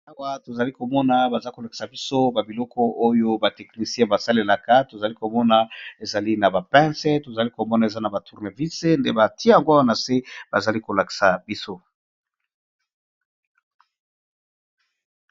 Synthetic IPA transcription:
a˦˨wa˦to˨za˨li˦ko˨mɔ˦na˨ba˨za˦ko˨la˨ki̥˨sa˨bi˦so˦ba˨bi˨lɔ˦kɔ˦ʔo˦jo˦ba˨tɛ˨kni˨si˦ɛ̃˦ba˨sa˦le˨la˨ka˦to˨za˨li˦ko˨mɔ˦na˦e˨za˨li˦na˨ba˨pɛ̃˦sɛ˦to˨za˨li˦ko˨mɔ˦na˨e˨za˦na˨ba˨tu˨ʁne˨vi˦se˦ndḛ˦ba˨ti˦ja˨ŋɡo˦wa˦na˨se˦b̥a̰˨za˨li˦ko˨la˨ki̥˨sa˨bi˦so˦

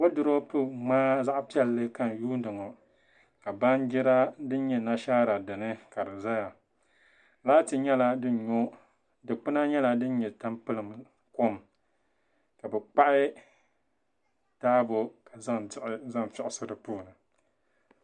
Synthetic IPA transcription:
wo˦dɨ˨ɾo˦pɨ˦maː˦za˦ʔpi˦ɛ˦˨lːɨ˦ka˦˨n˨juː˦n˦dɨ˨ŋɔ˨ | ka˨ba˦nd͡ʒɪ˦ɾa˦dɨ˦n˦ɲɛ˦na˦ʃaː˦ɾa˨dɨ˨nɨ˦ka˨dɨ˨za˦ja˨ | laː˦tɨ˨ɲɛ˦la˨dɨ˦ɲo˦ | dɨ˨k͡pɨ˦na˦ɲɛ˦la˨dɨ˦n˦ɲɛ˨ta˦mpɨ˦lɨ˨m | ko˦m | ka˨bɛ˨k͡pa˦ʔɪ˦ | taː˦bo˨ka˨za˦ʔza˦mfɪ˦˨ʔɪ˨˦sɨ˦dɨ˨puː˦˨nɨ˨

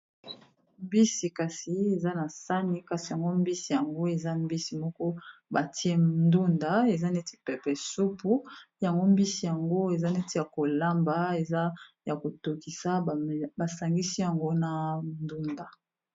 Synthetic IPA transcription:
mbi˦si˨ka˨si˨e˨za˦na˨sa˦ni˦ka˨si˨ja˨ŋɡo˦mbi˦si˨ja˨ŋɡo˦e˨za˦mbi˦si˨mɔ˦kɔ˦ba˨ti˦e˦ndu˦nda˨e˨za˦ne˦ti̥˦pɛ˨pɛ˨su˦pu˦ja˨ŋɡo˦mbi˦si˨ja˨ŋɡo˦e˨za˦ne˦ti˦ja˨ko˨la˦mba˨e˨za˦ja˨ko˨to˨ki˨sa˦˨ba˨sa˨ŋɡi˦si˦ja˨ŋɡo˦na˨ndu˦nda˨

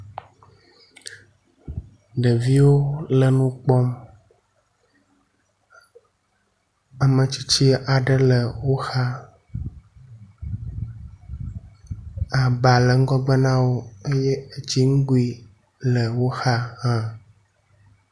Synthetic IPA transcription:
ɖə˨vi˦wo˦lə˨nũ˦k͡pɔ˦m | a˨mə˨t͡ɕi˦t͡ɕi˦a˨ɖə˦lə˨wo˦xa˦ | a˨ba˨lə˨ŋ̩˦ɡɔ˦ɡ͡bə˦nã˦wo˦e˦jɛ˦e˦d͡ʑi˦ŋ̩˦ɡu˦i˦ | lə˨wo˦xa˦hã˦

